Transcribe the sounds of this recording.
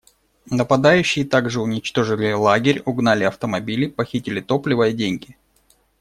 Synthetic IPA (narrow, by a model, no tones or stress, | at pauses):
nəpɐd̪ajʉɕːɪjət̪aɡʐɨʊnʲɪt͡ɕt̪o̞ʐɨlʲɪlˠaɡʲɪɾʲʊɡnalʲɪɐft̪əmɐbʲilʲɪpɐxʲitʲɪlʲɪt̪o̞plʲɪvəjədʲenʲɡʲɪ